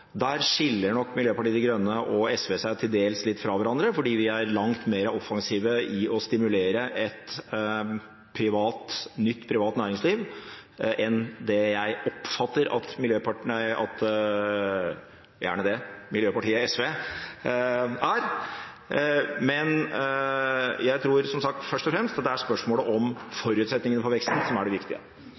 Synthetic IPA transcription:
d̪æɾʂɪlːəɳɔkːmɪljøːpɑʈiːəd̪ɪɡɾœnːəʔɔɛsʋeːsæɪt̪ʰɪld̪eːlslɪt̪ːfɾɑːʋæɾɑnd̪ɾəfɔɖiːʋɪæɾlɑŋt̪meːɾəʔɔfːɑŋsiːʋəɪʔɔst̪ɪmʉleːɾəʔɛt̪ | pʰɾɪʋɑːt̪nʏt̪ːpʰɾɪʋɑːt̪næːɾɪŋsliːʋ | ʔɛnd̪ɛjæɪɔpfɑt̪ːəɾɑ̰t̪mɪljøːpɑɑ̰t̪ | jæ̰ːɳəd̪ɛmɪljøːpɑʈʰiːəɛsʋe | æɾ | mɛn | jæɪt̪ʰɾuːɾsɔmsɑk̚t̪fœʂʈ̪ɔfɾɛmst̪ɑd̪ɛæspœʂmoːləʔɔmfɔɾʉːt̪sɛt̪nɪŋənəpʰɔʋɛkst̪n̩sɔmæɖɛʋɪkt̪ɪə̰

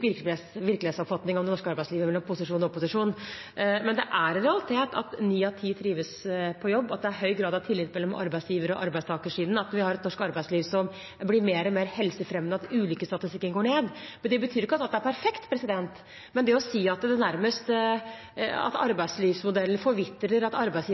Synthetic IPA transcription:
ʋɪɾkʋɪɾklɪeːd̪sɔpfɑt̪nɪŋɔmd̪ɛnɔʂkəɑɾbæɪsliːʋəmɛlːɔmpʰʊsɪʂuːnɔpʊsɪʂuːn | mɛnd̪ɛʔæɾɾɛɑlɪt̪ʰeːt̪ʰɑ̰t̪niːɑt̪ʰiːt̪ʰɾiːʋəspʰɔjɔbːɑt̪̚d̪ɛæɾɦœʏɡɾɑːd̪ɑʋt̪ʰɪlːɪt̪mɛlːɔmʔɑ̰ɾbæɪsjiːʋəɾɔʔɑ̰ɾbæɪst̪ɑːkəʂiːd̪nɑt̪ʋɪhɑɾɛt̪nɔʂkɑɾbæɪsliːʋsɔm | blɪɾmeːɾɔmeːɾhɛlsəfɾɛmnəɑt̪ʉːliːkəst̪ɑt̪ɪst̪ɪkːənɡoːɳeːd̪mɛnd̪ɛbət̪ʰyːɾɪkːəɑt̪ɑt̪d̪æɾpʰæɾfɛkt̪pʰɾɛsɪd̪ɛnt̪ | mɛnd̪ɛɔsiːɑt̪d̪ɛnæɾməst̪ | ɑ̰t̪ɑ̰ɾbæɪsliːʋsmʊd̪ɛlːənfɔɾʋɪt̪ːɾəɾɑt̪ɑɾbæɪsiː

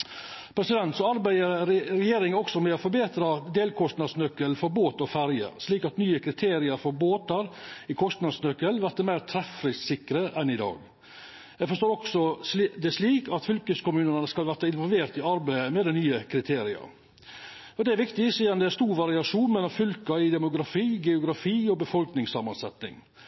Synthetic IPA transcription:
pʰɾɛsɪd̪ɛnt̪sɔɑɾbæɪəɾɾɾɛjeːɾɪŋɔksɔmɛɔfɔɾbeːt̪ɾɑd̪eːlkʰɔst̪nɑd̪snœkːəlfɔɾboːt̪ɔfæɾjə̰sliːkɑt̪nyːəkʰɾɪt̪ʰeːɾɪɑɾfɔɾboːt̪ɑɾɪkʰɔst̪nɑd̪snœkːəlʋæɾt̪əmæɪɾt̪ʰɾɛfɾɪssɪkːɾəʔɛnɪd̪ɑ̰ːɡ | jɛɪɡfɔʂt̪oːɾɔksɔd̪ɛʂliːkʰɑt̪fʏlkəskʊmʉːnənəskɑlʋæɾt̪əɪnʋɔlʋeːɾt̪ɪɑɾbæɪəmɛd̪ɛnyːəkʰɾɪt̪ʰeːɾɪɑ̰ɾ | ɔd̪ɛæɾʋɪkt̪ɪsiːɑnd̪ɛæst̪uːɾʋɑɾɪɑʂuːnmɛlːɔmfʏlkɑɪd̪ɛmʊɡɾɑfiːɡɛʊɡɾɑfiːɔbəfɔlknɪŋsɑmːɑnsɛt̪nɪ̰ŋ

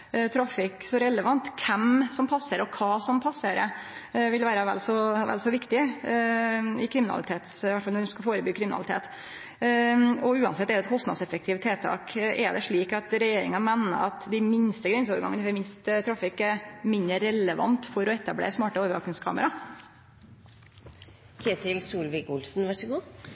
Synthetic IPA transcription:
t̪ʰɾɑfɪksɔɾɛləʋɑnt̪kʰɛmsɔmpʰɑsːəɾɔkʰɑːsɔmpʰɑsːəɾə | ʋɪlʋæːɾəʋɛ̰lsɔʋɛ̰lsɔʋɪkt̪ɪ | ɪkʰɾɪmɪnɑ̰lɪt̪ʰeːt̪sɪʋæʈfɑlɔɖɛskɑfoːɾəbyːkʰɾɪmɪnɑ̰lɪt̪ḛːt̪ | ɔʉːɑ̰nsɛt̪ːɛɖ̪ɛt̪kʰɔst̪nɑd̪sɛfək̚t̪ʰɪːʋt̪ʰeːt̪ʰɑ̰ːkʔɛ̰d̪ɛʂɭiːkɑt̪ɾɛjeːɾɪŋɑmænːə̰ɾɑt̪d̪ɪmɪnst̪əɡɾɛns̬oːʋəɾɡɑ̰ŋənəfɔmɪnst̪t̪ʰɾɑːfɪkːɛɾmɪnəɾɛləʋɑ̰nt̪fɔɾɔɛt̪ːɑblḛːsmɑːʈəoːʋəɾɑknɪŋskʰɑ̰ːməɾɑ | kʰeːt̪ɪlsuːlʋɪkʊlsn̩ʋɑʂəɡuː

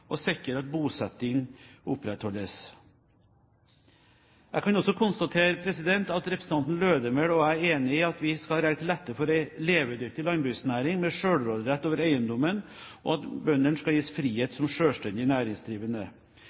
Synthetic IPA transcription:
ʔɔsɪkːəɾɑt̪̚buːsɛt̪ːɪŋʊpɾɛt̪hɔlːəs | jæ̰ɪkɑnɔsːɔkʰʊnst̪ɑt̪ʰeːɾəpʰɾɛsɪd̪ɛnt̪ɑt̪ɾɛpɾəs̩n̩t̪ɑnt̪n̩løːd̪əmɛɽɔæɾeːnɪɪɑt̪ʋɪskɑlɾæɪɡt̪lɛt̪ːəɾfɔɾæɪleːʋəd̪ʏɾ̚t̪ɪlɑŋbɾʉːsnæːɾɪŋmɛʂøːɽɾoːd̪ɾɛt̪ːoːʋəɾæɪənd̪ɔmən | ʔɔ̰ɑt̪bœnːənskɑljiːsfɾiːheːt̪sɔmʂøːʂʈɛnd̪ɪnæːɾɪŋsd̪ɾiːʋənə

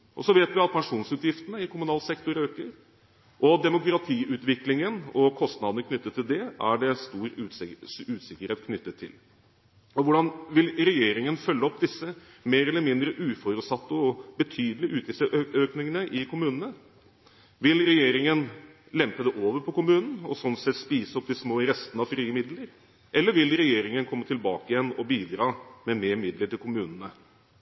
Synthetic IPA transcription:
ʔɔsɔʋeːt̪ʋɪɑt̪̚pʰɛŋʂuːnsʉːt̪jɪft̪ənəɪkʰʊmʉnɑːlsɛkt̪ɔɾøːkəɾ | ʔɔd̪ɛmʊkɾɑt̪ʰiːʔʉːt̪ʋɪklɪŋənɔkʰɔst̪nɑd̪ənəkʰnʏt̪ːət̪ʰːɪld̪ɛʔæɖɛst̪uːɾ | ʉːt̪sɪkːəɾheːt̪̚kʰnʏt̪ːət̪ʰːɪ̰l | ɔʋʊɖɑnʋɪlɾɛjeːɾɪŋənfœlːəɔpːd̪ɪsːə | meːɾɛlːəɾmɪnd̪ɾəʔʉːfɔɾʉːt̪sɑt̪ːəɔbət̪ʰyːd̪əlɪʔʉːt̪ɪsəʔøːknɪŋənəʔɪkʰʊmʉːnənə | ʋɪlɾɛjeːɾɪŋən | lɛmpəd̪ɛʔoːʋəɾpʰɔkʊmʉːnn̩ɔsɔnsɛt̪spiːsəɔp̚d̪ɪsmoːɪɾɛst̪ənəɑʋfɾiːəmɪd̪ləɾ | ʔɛlːəɾʋɪlɾɛjeːɾɪŋənkʰɔmːət̪ʰɪlbɑːkəɪjɛnːɔbiːd̪ɾɑːmɛmeːɾmɪd̪ləʈɪlkʊmʉːnn̩ə

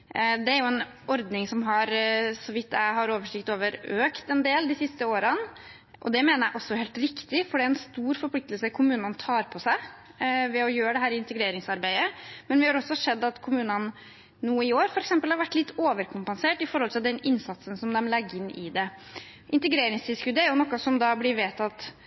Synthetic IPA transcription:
d̪ɛæɾjʊɛn | ɔɾd̪nɪŋsɔmɦɑɾsɔʋɪt̪ːæɪɦɑɾoːʋəʂɪkt̪oːʋəɾøːkt̪ɛnd̪eːld̪ɪsɪst̪əoːɾən | ʔɔ̰d̪ɛmeːnəɾjæɪʔɔsːɔheːlt̪ɾɪkt̪ɪfɔɖɛæɾɛnst̪uːɾfɔɾpʰlɪkt̪əlsəkʰʊmʉːnənt̪ʰɑːɾpʰɔsæɪ | ʋɛɔjøːɾəɖ̪ɛɦæːɾɪɪnt̪ɛɡɾeːɾɪŋsɑɾbæɪəmɛnʋɪhɑɾɔsːɔhʂɛd̪ːɑt̪kʰʊmʉːnən | nuːəɪoːɾfɔɾɛksɛmpəlhɑɾʋæʈːlɪt̪ːoːʋəɾkʰʊmpənseːʈːɪfɔɾhɔlt̪ʰɪld̪ɛnɪnsɑt̪sənsɔmd̪ɛmlɛɡːəɪnːɪd̪ɛ | ʔɪnt̪əɡɾeːɾɪŋst̪ʰɪːskʉd̪ːəæɾjʊnɔkːɑsɔmd̪ɑblɪɾʋeːt̪ɑt̪

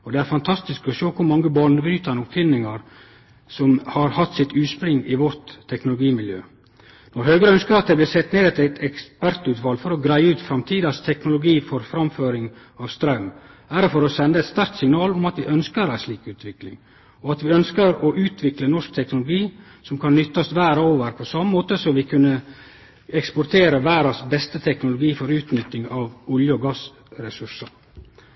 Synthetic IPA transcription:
ɔd̪ɛæɾfɑnt̪ʰɑst̪ɪskɔʃoːkʰʊɾmɑŋːəbɑɳəbɾyːt̪ɑnʊpfɪnɪŋɑɾ | sɔmhɑɾhɑt̪ːsɪt̪ʉːspɾɪŋːɪʋɔɾt̪ʰːɛknʊlʊɡiːmɪljø̰ː | nɔɾhøːɡɾəœnskəɾɑt̪̚d̪ɛblɪːsɛt̪ːneːd̪ɛt̪æt̪ʰɛkspæɾt̪ʉːt̪fɑlfɔɾɔɡɾæɪəʉːt̪fɾɑmt̪ʰiːd̪ɑst̪ʰɛknʊlʊɡiːfɔɾfɾɑmføːɾɪŋ | ɑːʋst̪ɾɑʉm | æɾəfɔɾɔsɛnd̪əɛɪt̪st̪ɑɾk̚t̪sɪŋnɑːlʊmɑt̪ʋɪʔœnskəɾæɪʂliːkʉːt̪ʰʋɪklɪ̰ŋ | ɔɑt̪ʋɪœnskəɾɔʔʉːt̪ʰʋɪklənɔʂk̚t̪ʰɛknʊlʊɡiː | sɔmkʰɑnːʏt̪ːɑsʋæːɾoːʋəɾpʰɔsɑmːəmoːt̪əsɔʋɪkʰʉnːə | ɛkspɔɾt̪ʰeːɾəʋæːɾɑsbɛst̪ət̪ʰɛknʊlʊɡiːfɔɾʉːt̪nʏt̪ːɪŋɑʋʊljəɔɡɑs | ɾɛsʉʂə

